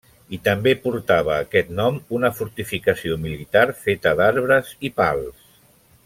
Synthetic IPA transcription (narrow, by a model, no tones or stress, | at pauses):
it̪əmbepuɾt̪aβ̞əːkɛt̪nɔmunəfuɾt̪ifikəsiomilit̪aɾfet̪əd̪aɾβɾəzipalˠs